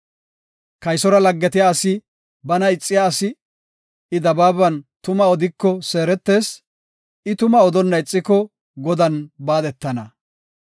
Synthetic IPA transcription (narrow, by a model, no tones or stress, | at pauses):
kɐjsɔɾɐlɐɡːɛt̪ɪjaːsɪ | bɐnɐɪt͡sʼːɪjaːsɪ | ɪd̪ɐbaːbɐnt̪ʊmɐɔd̪ɪkːɔse̞ːɾɛt̪ːe̞ːs | ɪt̪ʊmɐɔd̪ɔnːɐɪt͡sʼːɪkːɔ | ɡɔd̪ɐnbaːd̪ɛt̪ːɐnɐ